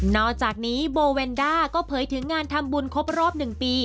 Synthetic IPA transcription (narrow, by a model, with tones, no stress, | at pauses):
nɔː˥˩t͡ɕaː˨˩k̚niː˦˥boː˧weː˧ndaː˥˩kɔː˥˩pʰɤː˩˦jt̪ʰɯ˩˦ŋːaː˧nt̪ʰa˧mbu˧nkʰo˦˥p̚ɾɔː˥˩p̚nɯ˨˩ŋpiː˧